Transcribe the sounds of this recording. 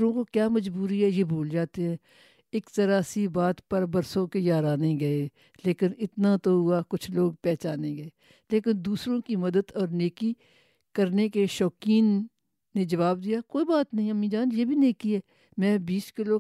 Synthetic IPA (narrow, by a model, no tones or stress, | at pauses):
ɾõkokjaːmɐd͡ʒbuːɾiɛjebʱoːld͡ʒaːt̪eɦɛ̃ː | ɪkt̪ɐɾaːsibaːt̪pɐɾbɐɾsõkejaːɾaːneɡɐe | leːkɪnɪt̪nat̪oɦʊakʊt͡ʃʰloːɡ̚pɛːt͡ʃaːneɡɐe | leːkɪnd̪uːsɾõkimɐd̪əd̪ɔːɾneːki | kɐɾnekeʃɔːkiːnː | ed͡ʒɐʋaːb̚d̪ijakoːibaːt̪nɐɦĩɐmĩd͡ʒaːnjeːbʱineːkiɦɛː | mɛ̃ːbiːskɪlo